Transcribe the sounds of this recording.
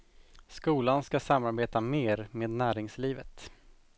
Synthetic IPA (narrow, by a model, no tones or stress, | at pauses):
skuːlanskasamːaɾbeːt̪ameːɾmeːd̪næːɾɪŋsliːvət̪